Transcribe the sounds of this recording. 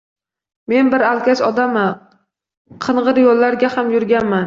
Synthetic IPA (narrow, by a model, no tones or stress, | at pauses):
me̞nbɪɾalˠkʲat͡ʃɒd̪ama | qʰɨnʁɨɾjolːaɾɡʲahamjʊɾɡʲanman